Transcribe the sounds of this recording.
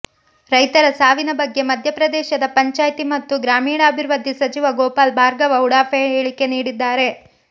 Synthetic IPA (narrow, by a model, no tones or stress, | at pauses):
ɾɐjt̪ɐɾɐsaːʋinɐbɐɡːe̞mɐd̪ʱjɐpɾɐd̪ɛːʃɐd̪ɐpɐɲt͡ʃaːjt̪imɐt̪ːuɡɾaːmiːɽɐɐbʱiɾʋɐd̪ʱːisɐt͡ʃiʋɐɡɔːpaːlbʱaːɾɡɐʋɐuɽaːpeeːɭike̞niːɽid̪ːaːɾe̞